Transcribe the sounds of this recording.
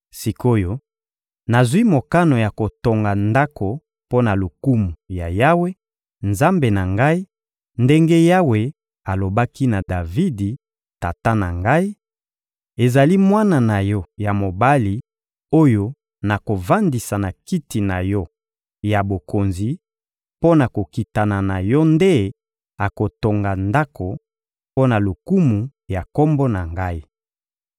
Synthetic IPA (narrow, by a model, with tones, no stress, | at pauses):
si˨ko˦jo˦ | na˨zi˦mo˨ka˦no˨ja˨ko˨to˨ŋɡa˨nda˦ko˨ | po˦na˨lu˨ku˦mu˨ja̰˨ja˦we˦ | nza˦mbe˨na˨ŋɡa˦i˦ | nde˦ŋɡe˦ja˦we˨ | a˨lo˨ba˦ki˦na˨da˨vi˦di˨ | ta˨ta˦na̰˨ŋɡa˦i˦ | e˨za˨li˦mwa˦na˨na˨jɔ˦ja˨mo˨ba˦li˨ | o˦jo˦ | na˨ko˨va˦ndi˨sa˨na˨ki˦ti˨na˨jɔ˦ | ja˨bo˨ko˨nzi˨ | po˦na˨ko˨ki˨ta˨na˨na˨jɔ˦nde˦ | a˨ko˨to˨ŋɡa˨nda˦ko˨ | po˦na˨lo˨ku˦mu˨ja˨ko˦mbo˦na˨ŋɡa˦i˦